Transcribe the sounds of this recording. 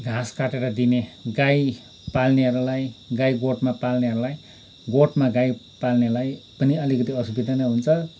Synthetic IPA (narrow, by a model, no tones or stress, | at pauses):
ɡʱaskaʈeɾʌd̪ineɡaj | palneɦʌɾulajɡajɡoʈmapalneɦʌɾulaj | ɡoʈmaɡaj | palnelajpʌniʌlikʌt̪iʌsubid̪ʱanaɦunt͡sʰʌ